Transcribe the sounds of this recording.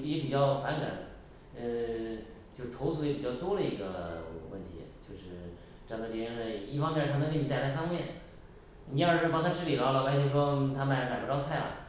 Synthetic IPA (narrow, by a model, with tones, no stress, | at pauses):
jɛ˧˥pi˨˩t͡ɕjɑ˥˩ʊfa˧˥nka̰˨˩˦n | ə˧ | t͡ɕjo˥˧ʊʂɻ̩ʰ˥˩˧ʊsʰu˥˧jɛ˧˥pi˨˩t͡ɕjɑ˥˩ʊt̪wɔ˥lə˨ḭ˧˥ɡə̰˧wə̰˥˩nt̪ʰḭ˧˥˨t͡ɕjo˥˧ʊʂɻ̩˥˩ | ʈ͡ʂa˥˩n˧˩t͡ɕi˧˩ɛ˧˥ʂ̩˥˧˩i˥˩fɑ˥ŋmjɛ˥˧t̪ʰa˥nə˧˥ŋkə˥˩ni˧˥t̪a˥˩˧la˥ɪfɑ˥ŋmjɛ˥˩n | ni˧˥ə˞˨˩ʂɻ̩˥˩pɑ˥ŋt̪ʰa˥ʈ͡ʂʰɻ̩˥li˨˩lɑ˧˥lɑ˧˩wa˧˥ɪt͡ɕʰo˥˩ʂwɔ˥t̪ʰa˥ma˧˩ɪlma˨˩ɪpɑ˥˧ʊt͡sʰa˥˩ɪlɐ̰˩